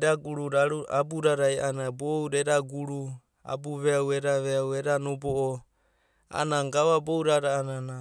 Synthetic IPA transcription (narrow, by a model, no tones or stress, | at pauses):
ɾaɡuɾuɾaɾuabuɾaɾajanabowɾeɾaɡuɾu | a̰buβeaweɾaβeaweɾanobɔɔ | a̰naŋɡaβabowɾaɾaːnana